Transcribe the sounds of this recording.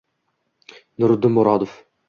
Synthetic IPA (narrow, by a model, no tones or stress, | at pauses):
nʊɾd̪ɪmʊɾɑd̪of